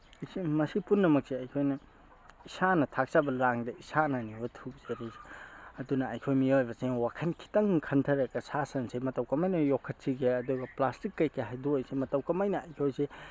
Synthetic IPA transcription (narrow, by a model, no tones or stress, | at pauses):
smɐsipunːɐmɐk̚seɐjkʰojnɐ | isanɐtʰak̚t͡ʃabɐlaŋdɐisananibɐtʰuk̚zeɾezɐdunɐɐjkʰojmiojbɐsewakʰɐnkʰi̥tɐŋkʰɐntʰɐɾɐkɐsasɐnsemɐtɐwkɐmɐjnɐjokʰːɐt̚siɡeɐduɡɐplastikːɐjkʰeɦajduojsemɐtɐwkɐmɐjnɐɐjkʰojse